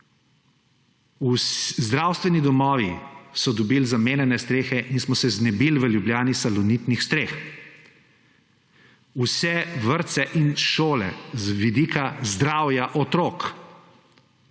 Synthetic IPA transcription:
uszd̪ɾawst̪ʋɛnid̪ɔmɔːʋisɔd̪ɔbiːlzameːnjɛnɛst̪ɾeːxɛʔinsmɔsɛznɛbilʋəljubljaːnisalɔnit̪nixst̪ɾeːx | usɛʋəɾt̪sɛʔinʃoːlɛ̰zʋid̪iːkazd̪ɾaːwjaʔɔt̪ɾoːk

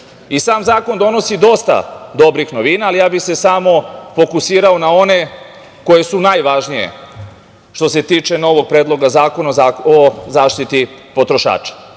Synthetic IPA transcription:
isaːmzaːko̞nd̪o̞no̞sid̪o̞st̪a̰d̪o̞bɾixnoʋiːnaːlijaːbixse̞saːmo̞fo̞kusiːɾao̞nao̞ne̞ | ko̞je̞sunajʋaʒnijḛ | ʃt̪o̞se̞t̪iːt͡ʃe̞no̞ʋo̞ɡ̚pɾeːd̪lˠo̞ɡazaːko̞nazaːozaːʃt̪it̪ipo̞t̪ɾo̞ʃa̰ːt͡ʃḁ

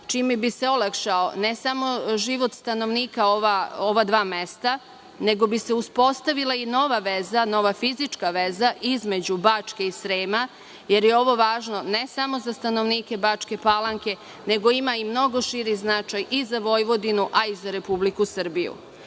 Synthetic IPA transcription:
t͡ʃiːmɛbiseolˠakʃaone̞samo̞ʒiʋo̞t̪st̪ano̞ʋniːkaoʋaoʋad̪ʋaːme̞st̪a | ne̞ɡo̞bise̞uspo̞st̪aʋilˠaino̞ʋaʋezano̞ʋafizit͡ʃkaʋezaʔizme̞d͡ʑubaːt͡ʃke̞isɾeːma | je̞ɾjeo̞ʋo̞ʋaːʒno̞ne̞samo̞zast̪ano̞ʋniːke̞bat͡ʂke̞palˠaŋke̞ | ne̞ɡo̞imaimno̞ɡo̞ʃiɾiznat͡ʃajizaʋo̞jʋo̞d̪inuʔaizaɾe̞publikusr̩bijṵ

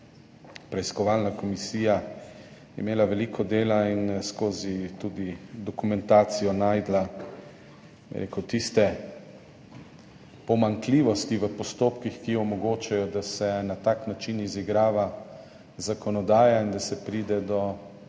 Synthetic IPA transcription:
pɾɛiskɔʋaːlnakɔmisiːja | ɛ̰meːlaʋɛliːkʰɔd̪eːlainskoːzit̪uːd̪id̪ɔkumɛnt̪aːt̪sijɔnaːjd̪la | bɛ̰ɾḛːkɛwt̪ist̪ɛ | pɔmaŋkliːʋɔst̪iʋəpɔst̪oːpkixkijɔɔmɔɡoːt͡ʃajɔd̪asɛnat̪aːknat͡ʃiniziɡɾaːʋa | zakɔnɔd̪aːjaind̪asɛpɾiːd̪ɛd̪ɔ

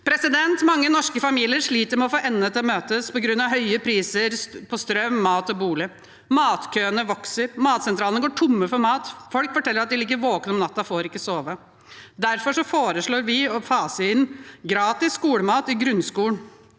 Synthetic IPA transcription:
pʰɾɛsɪd̪ɛnt̪mɑŋːənɔʂkəfɑmiːlɪəɾʂɭiːt̪əɾmɛɔfoːʔɛnːət̪ʰɪlɔmøːt̪əspɔɡɾʉnːɑʋɦœʏəpʰɾiːsəɾpʰɔst̪ɾœmːɑːt̪ɔbuːlɪ | mɑːt̪kʰøːənəʋɔksəɾmɑːt̪sɛnt̪ʰɾɑːlənəɡoːʈʰʊmːəfɔɾmɑːt̪fɔlkfɔʈʰɛlːɾɑt̪̚d̪ɪlɪɡːəɾʋoːknɔmnɑt̪ːɑfoːɾɪkːəsoːʋə | d̪æɾfɔʂɔfoːɾəʂɭoːɾʋɪɔfɑːsəɪnɡɾɑːt̪ɪsːkuːɽəmɑːt̪ɪɡɾʉnskuːɳ

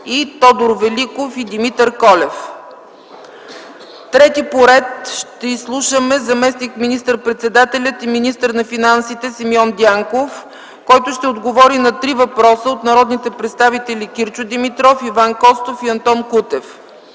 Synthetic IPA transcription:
it̪ɔd̪ʊɾvɛlikofid̪imit̪əɾkɔlɛf | t̪ɾɛt̪ipoɾɛt̪ʃt̪ɛislˠuʃəmɛzɐmɛsnikminist̪əɾpɾɛt̪sɛd̪at̪ɛlʲət̪iminist̪əɾnɐfinansit̪ɛsimjɔnd̪ʲjaŋkof | kɔjt̪ʊʃt̪ɛod̪ɡovɔɾinɐt̪ɾivɐpɾɔsəot̪nɐɾɔd̪nit̪ɛpɾɛt̪st̪avit̪ɛlikiɾt͡ʃʊd̪imit̪ɾɔfivankɔst̪ofiɐnt̪ɔnkut̪ɛf

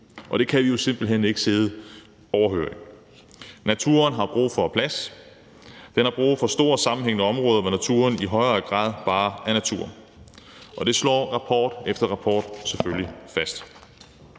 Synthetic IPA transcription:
ʔɒ̽d̥e̝kʰæʋijo̝se̝m̰b̥l̩ɦen̰e̝ɡ̥əse̝ðˠ | ɒʊɐɦø̰ɐ̰eŋ | næt͡sʰṵːɐnɦɑ̈b̥ʁṵːfɒ̽pʰlæs | d̥enhɑ̈b̥ʁṵːfɒ̽sd̥o̝ɐ̰sɑ̈mn̩ɦeŋ̰nəɒ̽mʁɔ̽ːðˠɐʋɒnæt͡sʰṵːɐniɦɒ̽ɪɐːɡ̥ʁɑ̰̈ːð̞ˠb̥ɑ̈ːænæt͡sʰuːɐn | ʔɒ̽d̥e̝slɒ̰ːʁɑ̈pʰɒ̰ːd̥efd̥ɐʁɑ̈pʰɒ̰ːd̥seføllifæsd̥

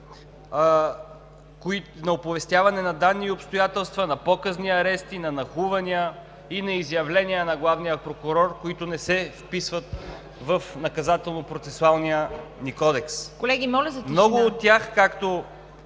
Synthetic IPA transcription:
koinɐopʊvɛst̪ʲjavɐnɛnɐd̪anːiopst̪ojat̪ɛlˠst̪vɐnɐpɔkəzniɐɾɛst̪inɐnɐxuvɐniə | inɐizjɐvlɛnʲiənɐɡlˠavnijəpɾokʊɾɔɾkʊit̪ʊnɛsɛfpisvət̪ | vəfnɐkɐzat̪ɛlˠnopɾot̪sɛsʊalˠnijənikɔd̪ɛkskolɛɡʲimɔlʲzɐmɔɡʊːt̪ːʲjaxkakt̪o

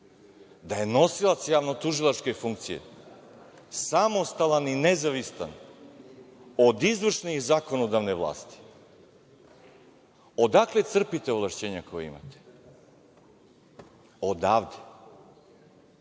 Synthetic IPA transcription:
d̪aje̞no̞silˠat̪sjaːʋnot̪uʒilˠat͡ʃke̞jfuŋkt̪sijḛ | samo̞st̪alˠaninezaʋist̪an | o̞d̪izʋr̩ʂnixzakonod̪aʋne̞ʋlˠa̰ːst̪i̥ | o̞d̪aklet̪sr̩pit̪e̞ovlˠaʃt͡ɕe̞ːɲako̞jeḭma̰t̪e̥ | od̪aːʋd̪e

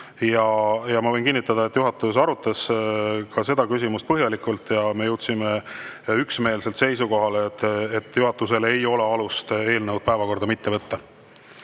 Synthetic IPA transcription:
jɑjɑmɑvɤ̞jnkinːit̪ːˑɑd̪̥ɑe̞t̪ːˑjuɦɑt̪ːˑus̬ɑɾut̪ːˑɑskɑse̞d̪ɑkys̬ʲimust̪pɤɦjɑlikˑult̪ːˑjɑme̞jɤwt̪simeyksme̞ːlse̞lt̪se̞jsuko̞ɦɑlet̪ːˑet̪ːˑjuɦɑt̪ːˑuse̞le̞jo̞le̞ɑlust̪e̞ːlnəwd̪̚pæevɑko̞rd̪̥ɑmit̪ːe̞vɤt̪ːɑ

